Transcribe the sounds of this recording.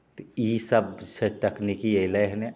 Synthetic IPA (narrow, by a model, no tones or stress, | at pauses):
t̪isəbset̪ɐknikieleɦne